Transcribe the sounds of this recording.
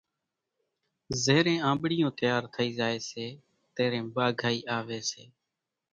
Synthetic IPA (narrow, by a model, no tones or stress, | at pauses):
zeːɾẽːãːmɓɽɪjõːt̪ɪjaːɾt̪ʰəiːzaːeːseː | t̪eːɾẽːɓaːɡʱaːiːʔaːʋeːseː